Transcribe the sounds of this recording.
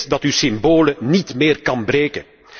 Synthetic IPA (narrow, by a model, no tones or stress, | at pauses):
dɑtysɪmboːlənitmeːrkɑnbɾeːkən